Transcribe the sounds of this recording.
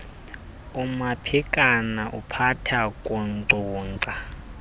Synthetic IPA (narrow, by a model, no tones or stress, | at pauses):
umapʰikʼanaʔupʰatʰakʼɔnǀʱuːŋǀa